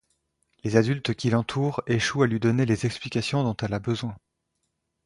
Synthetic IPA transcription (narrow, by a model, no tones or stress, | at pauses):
lezad̪ylt̪kʲilɑ̃t̪ʰuːʁeʃualɥid̪ɔnelezɛksplikʲasjɔ̃d̪ɔ̃t̪ɛlabəzwɛ̃